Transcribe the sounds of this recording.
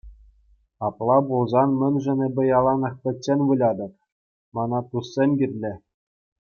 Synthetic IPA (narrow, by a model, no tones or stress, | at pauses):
ɑplˠɑbulˠzɑnmʲɘ̆nʲʐɘ̆nʲɘ̆bʲɘ̆jɑlˠɑnɤ̆χpʲɘ̆tʲːenʲʋɯlʲɑd̪ɤ̆p | mɑnɑt̪usːʲenʲɡʲirʲlʲɘ̆